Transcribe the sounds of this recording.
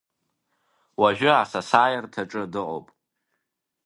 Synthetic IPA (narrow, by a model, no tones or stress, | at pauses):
waʒᶣʊasasaːjartʰaʈ͡ʂʼɨdɨʔʷʼo̰pʼ